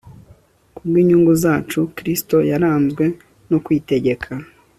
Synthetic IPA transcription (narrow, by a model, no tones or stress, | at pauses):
kubɡwiːɲuːŋɡuzaːt͡ʃukɾisto̞jaɾaːnzɡwe̞ | nokwiːte̞ɟe̞kʰa